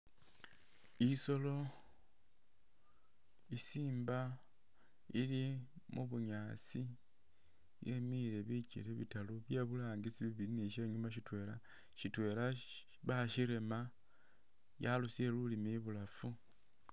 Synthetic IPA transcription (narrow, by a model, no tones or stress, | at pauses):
iso̞lo̞ | isiːmba | ili | mṵβuɲaːt͡si | je̞miɾe̞βicḭleβḭtaluβjeβulaːŋɡit͡siβiβiiniʃeːɲumaʃitwe̞ːla | ʃitwe̞ːla | βaʃiɾe̞ma | jalusielulimiβulafu